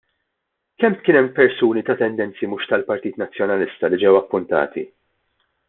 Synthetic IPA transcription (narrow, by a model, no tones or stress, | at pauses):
kɛmt̪kɪːnɛmːpɛɾsuːnit̪ɐt̪ɛnd̪ɛnt͡simʊʃt̪ɐlpɐɾt̪iːt̪nɐt͡sːjɔnɐlɪst̪ɐlid͡ʒɛwɐpːʊnt̪ɐ̰ːt̪ḭ